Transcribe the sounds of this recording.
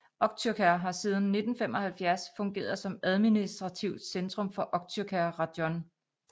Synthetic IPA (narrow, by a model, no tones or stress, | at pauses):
ʔɒ̽ɡ̥̚t͡sʰyɐkʰæɐɦɑ̈siːðˠn̩ːe̝d̥n̩femɒ̽hælfjæɐsfɔ̽ŋɡ̥e̝̰ːɐð̞̩ˠsɒ̽mæð̞ˠminisd̥ʁɑ̈t͡sʰiʊ̰d̥send̥ʁɔ̽mfɒ̽ʔɒ̽ɡ̥̚t͡sʰyɐkʰæʁɑd̥jɒn